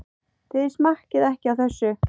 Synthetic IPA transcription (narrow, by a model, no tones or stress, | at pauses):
θɪðɪ̥smar̥cɪðɛhcɪawθɛsːʏ